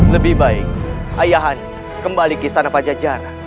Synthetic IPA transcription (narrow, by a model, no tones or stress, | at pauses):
ləbihbaɪk̚ajaɦan | kəmbalikist̪anapad͡ʒad͡ʒaɾa